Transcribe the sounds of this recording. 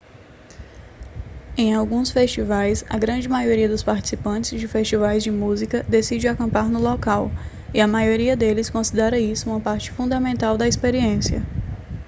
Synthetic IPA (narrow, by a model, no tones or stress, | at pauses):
ẽj̃awɡũsfest͡ʃivajsɐ̰ɡɾɐ̃d͡ʒɪmajoɾiɐd̪ʊspaɾt͡ʃi̥sipɐ̃t͡ʃɪzd͡ʒɪfest͡ʃivajzd͡ʒɪmuzikɐd̪esid͡ʒɪwakɐ̃mpaɾnʊlɔkaw | iɐmajoɾiɐd̪elɪskõsid̪ɛɾɐisʊũmɐpaɾt͡ʃɪ̥fũnd̪amẽnt̪awd̪ɐispeɾiẽsiɐ̰